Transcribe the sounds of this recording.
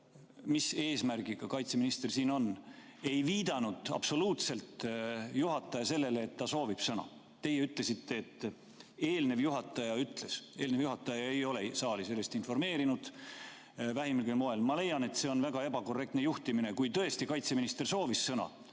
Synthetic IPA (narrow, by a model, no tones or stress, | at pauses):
mise̞ːsmærɡ̥iɡ̥ɑkɑjt̪seminist̪ersiːno̞n | e̞jviːd̪̥ɑnud̪̥ɑ̰b̥so̞luːt̪se̞lt̪juɦɑt̪ːˑɑjɑse̞lːe̞leːt̪ːɑso̞ːvib̥sɤnɑ̰ | t̪e̞jeyt̪ˑle̞sit̪ːe̞ːt̪ːˑ | e̞ːlne̞vjuɦɑt̪ːˑɑjɑyt̪ːˑle̞se̞ːlnevjuɦɑt̪ˑːɑjɑe̞jo̞le̞sɑːlise̞lːe̞st̪info̞rme̞ːɾinud̪̥ | væɦimilɡelmoe̞lmɑle̞jɑne̞t̪ːse̞ːo̞nvæɡ̥ɑe̞bɑko̞rek̚t̪nejuht̪imine̞kujt̪ɤ̞e̞st̪ikɑjt̪se̞minist̪e̞rso̞ːvisːɤnɑ̰